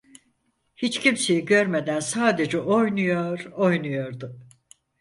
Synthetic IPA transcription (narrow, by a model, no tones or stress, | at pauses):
hit͡ʃcʰimse̞jiɟø̞ɾmed̪ænsaːd̪e̞d͡ʒɛʔojnujoɾo̞jnujo̞ɾd̪ʊ